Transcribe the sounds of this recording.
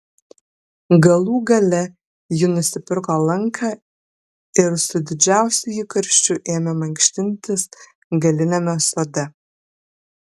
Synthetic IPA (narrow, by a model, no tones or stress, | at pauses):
ɡɐlˠuːɡɐlʲɛ | jɪnʊsʲɪpʲɪɾkoːlˠɐŋkʰɑː | ɪɾsʊd̪ʲɪd͡ʒʲæˑʊsʲuikɐɾʲʃʲt͡ʃʲʊʔeːmʲɛmɐŋkʃʲt̪ʲɪnʲt̪ʲɪs | ɡɐlʲɪnʲɛmʲɛsod̪ʲɛ